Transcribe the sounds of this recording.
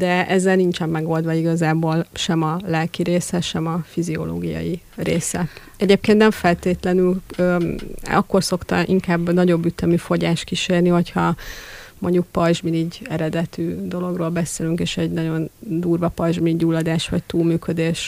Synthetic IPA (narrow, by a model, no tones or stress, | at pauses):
d̪̥ɛɛzːɛlnint͡ʃɛmːɛɡo̞ld̪ʋɒiɡɒzaːboːlʃɛmɒlɛlkiɾeːsɛʃɛmɒfizio̞̰lo̰ːɡijɒ̰ji | rḛːsɛ | ɛɟeːp̚keːnt̪nɛɱfɛlt̪eːt̪lɛnyløːɒ̰kːo̞rso̞kt̪ɒ̰ʔiŋkaːbːnɒɟo̞bːyt̪ɛmifo̞ɟaːʃt̪̚kiʃeːrniɦo̞chɒ | moɲɟuk̚pɒʒminiɟɛɾɛd̪ɛt̪yːd̪o̞lo̞ɡroːlbɛseːlyŋkeːʃɛɟnɒɟo̞nd̪uːrʋɒpɒʒminiɟuːlːɒd̪aːʃʋɒ̰ct̪uːlmyːkød̪eːʃ